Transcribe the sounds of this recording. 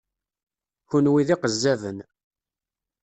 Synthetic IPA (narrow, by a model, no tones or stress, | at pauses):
çunwiðiqəzːæðən